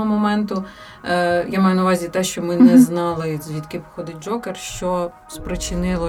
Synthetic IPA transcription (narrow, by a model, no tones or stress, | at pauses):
ɔmɔmɛnt̪ʊ | jamɑjʊnɐʊʋɑzʲit̪ɛʃt͡ʃɔmɪnɛznɑlˠɪzʲʋʲit̪kɪpɔ̥xɔd̪ɪd͡ʒɔkerʃt͡ʃɔ | spɾɪt͡ʃɪnɪlˠɔ